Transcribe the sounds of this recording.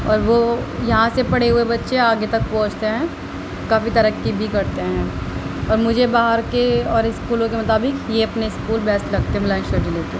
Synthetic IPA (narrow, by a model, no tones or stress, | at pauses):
ɔ̰ːɾʋoːjɐɦãsepɐɽeɦuebɐtːʃeaːɡet̪ɐk̚pɔ̃ːt͡ʃt̪eɦɛ̃ː | kaːfit̪ɐɾəkːibʱikɐɾt̪eɦɛ̃ːɔːɾmʊd͡ʒʱebaːɦəɾkeɔːɾɪskuːlõkemɐt̪aːbɪkjeɐpneɪskuːlbɛːst̪lɐɡ̚t̪eɦɛmɪlaɪ̃nʃəɾd͡ʒileːt̪eɦ